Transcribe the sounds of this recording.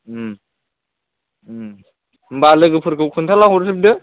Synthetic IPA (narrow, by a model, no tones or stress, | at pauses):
balɯɡɯpʰɯɾkʰɯwkʰunt̪ʰalaɦɔɾsib̚dɯ